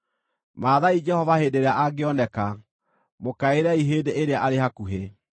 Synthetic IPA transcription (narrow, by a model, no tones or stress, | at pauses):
maːðaid͡ʒɛhɔvaheːdeɾeaʔaɡeɔnɛka | mokaeɾɛiɦeːdeʔeɾeaʔaɾehakuɦe